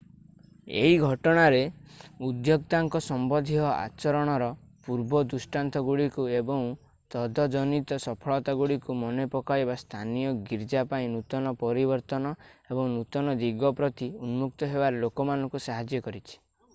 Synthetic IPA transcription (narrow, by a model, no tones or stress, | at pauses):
ḛɦiɡʱɔʈɔɽ̃aɾeud̪jok̚t̪aŋkɔsɔmbɔd̪ʱiɦɔʔa̰t͡ʃɔɾɔɽ̃ɔɾɔ | puɾbɔd̪usʈant̪ʰɔɡuɽikuebɔŋ | t̪ɔd̪ʱɔd͡ʒɔnit̪ɔsɔpʰɔɭɔt̪aɡuɽikumɔnepɔkaebast̪ʰanijɔɡiɾd͡ʒapaĩnut̪ɔnɔpɔɾibɔɾt̪ɔnɔebɔŋnut̪ɔnɔd̪iɡɔpɾɔt̪iunmuk̚t̪ɔɦebaɾelokɔmanɔŋkusaɦad͡ʒjɔkɔɾit͡ʃʰi̥